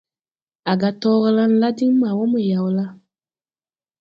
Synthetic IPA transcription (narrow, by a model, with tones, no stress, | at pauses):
a˨ɡa˨tɔː˦ɣə˦la˦n̩˦la˦di˦ŋ˦ma˨wɔ˦mə˨ja˨wla˦